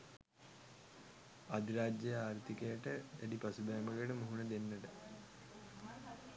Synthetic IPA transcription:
ad̪iɾaːd͡ʒjejaːɾt̪ikəjəʈəæd̪ipasub̪ajməɡeʈəmuɦunəd̪enːəʈə

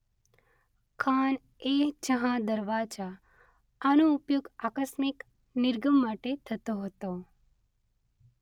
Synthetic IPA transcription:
kʰan | eɦd͡ʒəɦãd̪əɾʋad͡ʒa | anuːpjoɡakəsmɪk | nɪɾɡəmːaʈet̪ʰət̪oɦət̪o

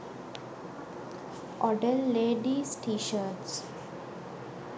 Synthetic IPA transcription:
ʔɔɖəlːeːɖisʈiːʃəɾʈs

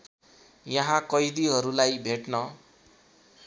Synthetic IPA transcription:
jʌɦãkʌjd̪iɦʌɾulajbʱeʈnʌ

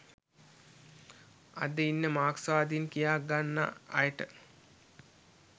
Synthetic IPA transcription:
a̰d̪əinːəmaːksaːd̪inkijaːɡanːa̰ːjəʈə

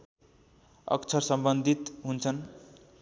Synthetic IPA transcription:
ʌ̰kt͡sʰʌrsʌmbʌnd̪ʱit̪ɦunt͡sʰʌn

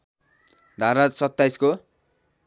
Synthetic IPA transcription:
d̪ʱaɾasʌt̪ːajsko

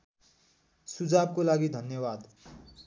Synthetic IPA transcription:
sud͡zab̚kolaɡid̪ʱʌnjʌbad̪

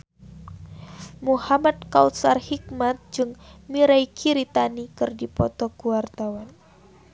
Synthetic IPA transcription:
muhamad̪̚kausarhik̚mat̪̚d͡ʒɨŋmiɾaikʰiɾit̪anikɨrdipɔ̰t̪ɔkuwart̪awan

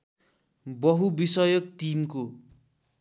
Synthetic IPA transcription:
bʌɦubisʌjʌk̚ʈimko

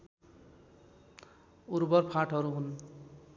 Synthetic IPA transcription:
uɾbʌrpʰaʈʰɦʌɾuɦun

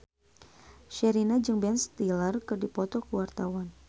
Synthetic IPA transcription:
ʃɛɾinad͡ʒɨŋbɛnst̪ilərkɨrdipɔt̪ɔkəwart̪awan

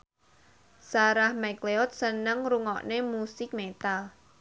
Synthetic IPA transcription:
saɾahmɛkleɔt̪̚sənəŋruŋɔ̰ʔnemusɪk̚met̪al

